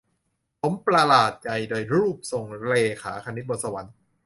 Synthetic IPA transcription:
pʰo˩˦mpɾa˧laː˨˩t̪̚t͡ɕa˨˩jdoː˧jɾuː˥˩p̚so˨˩ŋɾeː˧kʰaː˩˦kʰa˧ni˦˥t̪̚bo˧nsa˧wa˩˦n

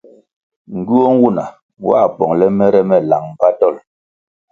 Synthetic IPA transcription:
ŋ̩˨ɡu˦ɔ˦ŋ̩˦wu˦˨na˨ | wa̰˦˨pɔ˨ŋlɛ˦mɛ˦ɾɛ˦mɛ˨la˨ŋm̩˨ba˦dɔ˦˨l

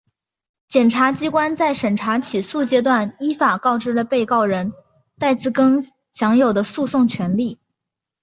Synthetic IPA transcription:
t͡ɕjɛ˨˩nʈ͡ʂʰa˧˥t͡ɕi˥kwa˥nt͡sa˥˩ɪʂə˨˩nʈ͡ʂʰa˧˥t͡ɕʰi˨˩su˥˩t͡ɕjɛ˥t̪wa˥˩ni˥fa˨˩kɑ˥˩ʊʈ͡ʂɻ̩˥lə˧pe˥˧ɪkɑ˥˩ʊɻə˧˥n | t̪a˥˧ɪt͡sɹ̩˥˩kə˥ŋ | ɕjɑ˧˥ŋjo˨˩ʊd̪ə˦su˥˧sʊ˥˩ŋt͡ɕʰɥɛ˧˥nli˥˩

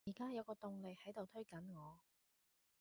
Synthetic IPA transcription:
iː˨˩kaː˥jɐ˨˧wkɔː˧t̪ʊ˨˧ŋle˨˧jhɐ˨˥jt̪o˨wt̪ʰɵ˥ɥkɐ˨˥nŋɔː˨˧

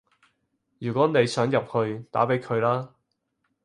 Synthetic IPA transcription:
jyː˨˩kʷɔː˨˥ne˨˧jsœː˨˥ŋjɐ˨p̚hɵ˧ɥt̪a̰ː˨˥pe˨˥jkʰɵ˨˧ɥlaː˥

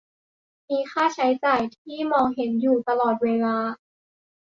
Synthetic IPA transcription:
miː˧xʰaː˥˩t͡ɕʰa˦˥jt͡ɕaː˨˩jt̪ʰiː˥˩mɔː˧ŋɦe˩˦njuː˨˩t̪a˧lɔː˨˩t̪̚weː˧laː˧

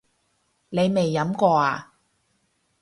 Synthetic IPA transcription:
ne˨˧jme˨jːɐ˨˥mkɔː˧aː˧

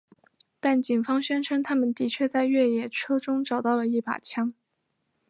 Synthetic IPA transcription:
t̪a˥˩nt͡ɕi˨˩nfɑ˥ŋɕɥɛ˥nʈ͡ʂʰɤ˥nt̪ʰa˥mə˨nt̪i˧˥t͡ɕʰɥɛ˥˧t͡sa˥˧ɪɥɛ˥˩jɛ˨˩ʈ͡ʂʰɤ˥ʈ͡ʂʊ˥ŋʈ͡ʂɑ˨˩ʊt̪ɑ˥˩ʊlə˩i˥˩pa̰˨˩t͡ɕʰjɑ˥ŋ

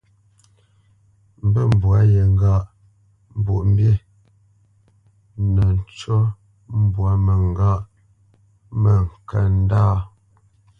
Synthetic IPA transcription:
m˦bə˦˨m˨bwa˨˦jə˨ŋ˦ɡa˦˨ʔ | m˦˨bu˨ʔm̩˦bje˦˨ | nə˨n˦t͡ʃɔ˦ | m̩˦bwa˨˦mə˨ŋ˦ɡa˦ʔ | mə˨ŋ˨kə˨n˦daː˦

